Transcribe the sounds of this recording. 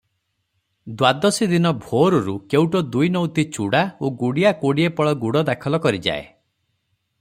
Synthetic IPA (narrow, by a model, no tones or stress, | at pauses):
d̪wad̪ɔsid̪inɔbʱoɾɔɾukewʈɔd̪ujnɔwt̪it͡ʃuɽaoɡuɽiakoɽiepɔɭɔɡuɽɔd̪akʰɔlɔkɔɾid͡ʒa̰ḛ